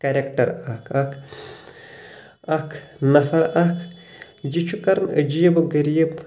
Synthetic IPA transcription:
kɐɾʲek̚ʈɐɾɐkʰɐkʰ | ɐkʰnɐfɐɾɐkʰ | d͡ʒit͡ʃʰukɐɾnə̰d͡ʒijɐbɨɡəɾijəb

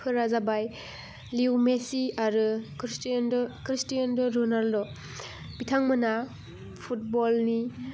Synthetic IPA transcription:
pʰɯɾazabaj | liwmesiaɾɯ | nkɾistijandɔɾɔnaldɔ | b̥itʰaŋmɯna | pʰut̚bɔlni

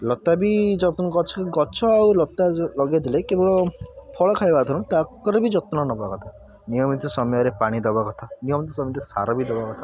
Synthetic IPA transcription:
lɔt̪abid͡ʒɔt̪ɡɔt͡ʃʰɔ̥keɡɔt͡ʃʰɔawlɔt̪ːalɔɡajd̪ilekebɔɭɔpʰɔɭɔkʰajbat̪ʰɔnũt̪akɔɾɔbid͡ʒɔt̪unɔnɔbaakɔt̪ʰa | nijɔmit̪ɔsɔmjaɾepaɽ̃id̪ɔbakɔt̪ʰanijɔmit̪ɔsɔmit̪ɔsa̰ɾɔbid̪ebakɔt̪ʰa

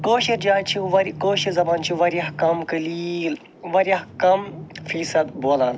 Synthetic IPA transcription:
koːʃiɾd͡ʒaːt͡ʃʰiʋɐɾʲkoːʃizɐbaːnt͡ʃʰiʋɐɾʲjɐkɐmkɨlil | ʋɐɾʲjɐɦkɐmfʰiːsɐd̪boːlaːn

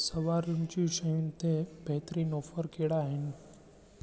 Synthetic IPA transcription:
sɐʋaːɾund͡ʑiʃəjunɪ̆t̪ebʱeɦt̪ɾinoːfəɾkeːɽaːɦɪnɪ̆

